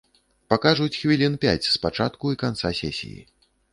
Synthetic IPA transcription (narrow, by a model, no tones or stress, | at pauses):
pakaʐut͡sʲxvʲilʲinpʲa̰t͡sʲspat͡ʂat̪kuikant̪sasʲɛsʲḭjḭ